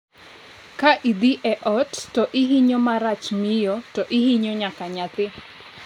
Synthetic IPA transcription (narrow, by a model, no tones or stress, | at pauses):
kaʔid̪iʔɛʔɔttɔʔiɦiɲomaɾat͡ʃmɪjɔtɔʔiɦiɲoɲakaɲat̪ɪ